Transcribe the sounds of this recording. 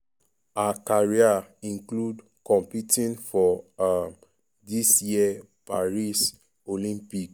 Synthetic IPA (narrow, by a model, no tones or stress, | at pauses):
aakaɹiaĩŋklud | kɔ̃mpitĩnfɔam | disjia | pa̰ɹis | olĩmpik